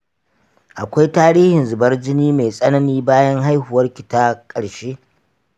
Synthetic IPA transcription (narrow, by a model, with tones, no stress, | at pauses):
ʔa˨kʷa˦jtaː˦ɾiː˦hɪ˨nzʊ˨bɐ˦rd͡ʒɪ˦niː˦me˨jsʼɐ˦nɐ˦niː˦baː˦jɐ˦ŋɦa˦jhʊ˨wɐ˦rkʲɪ˨taː˦kʼɐ˨ɽʃeː˦ʔ